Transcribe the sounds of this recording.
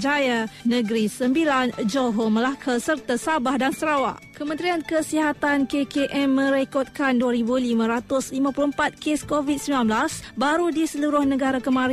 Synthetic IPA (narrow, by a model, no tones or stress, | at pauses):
d͡ʒajanə̃ɡɾisəmbiland͡ʒoɦoməlakʰasərt̪asabahdansəɾawa̰ʔkəmənt̪ɾiankəsiɦat̪ankekeʔɛmːə̃ɾekɔt̪̚kanduaɾibulimãɾat̪ʊslimãpuluəmpat̪̚keskovid̪̚səmbilanblasbaɾudisəluɾʊhnə̃ɡaɾakəmãɾ